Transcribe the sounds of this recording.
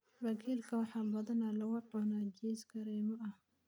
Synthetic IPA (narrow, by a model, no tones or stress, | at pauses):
rɐkʰiːlkʰɐwɑħɑːbɐðɐnaːlɐwɑʕɔnad͡ʒɛːsɡɐɾɛːmɔʔɐh